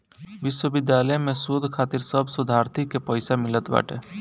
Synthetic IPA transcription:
ʋɪʃwəbɪd̪jaːləjmẽsud̪ʱkʰaːt̪ɪɾsəbʱsʊd̪ʱaːɾt̪ʰikːepəɪsamɪlət̪ba̰ːʈʰeː

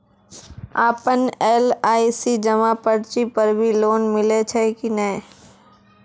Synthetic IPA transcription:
aːpəneːlaːisid͡ʒɐmapəɾt͡ʃipɐɾbʱiloːnmɪlet͡ʃʰɛkinəẽ

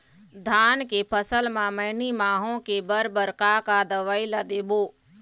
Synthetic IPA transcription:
d̪ʱaːnkepʰəsəlmãmɐɦɪnimaːɦõkebəɾbəɾkakad̪əʋəilad̪eːboː

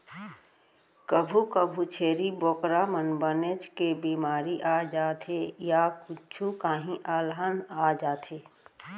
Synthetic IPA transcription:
kəbʱukəbʱut͡ʃʰeːɾiboːkɾamənbənet͡ʃkebiːmaːɾiʔaːd͡ʒaːt̪ʰejakʊt͡ʃʰukaːɦĩʔaːlɦənaːd͡ʒaːt̪ʰeː

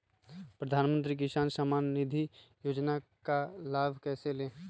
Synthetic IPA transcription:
pɾəd̪ʱaːnmə̃nt̪ɾik̬ɪʃaːnsaːmaːnːɪd̪ʱijoːd͡ʒnakalaːbʱkɛːseleː

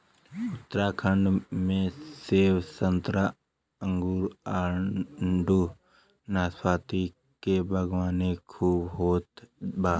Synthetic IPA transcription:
ʊt̪ɾaːkʰəɳɖmẽseːʋsənt̪ɾa | ə̃ŋɡuːɾaɳɳɖuː | naːswaːt̪i | kebʱəɡʋaːnekʰuːbɦoːt̪baː

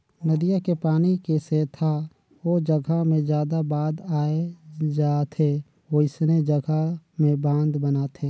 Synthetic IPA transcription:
nəd̪ijakepaːnikeseːt̪ʰa | ʋod͡ʒəɡʱamẽd͡ʒjaːd̪abaːd̪aːed͡ʒaːt̪ʰe | ʋoɪsned͡ʒəɡʱamẽbãːnd̪bənaːt̪ʰeː

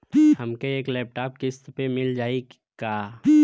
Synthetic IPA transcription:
həmkeeːklɛːp̚ʈaːp̚kɪst̪pemɪld͡ʒaːi | kaː

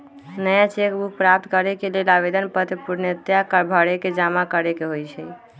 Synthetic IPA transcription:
nəjat͡ʃekbuk̚ʰpɾap̚t̪kəɾekelelabed̪ənpət̪ɾipuɾnəət̪jakəɾbʱəɽeked͡ʒamakəɾekeɦojt͡ʃʰɛ

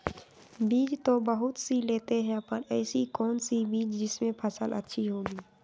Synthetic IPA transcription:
biːt͡ʃt̪obəɦʊt̪sileːt̪eɦɛ̃pɐɾɛːsikɔːnsibiːt͡ʃd͡ʒɪsmẽpʰɐsəlʔə̰tːʃʰiɦoːɡiː

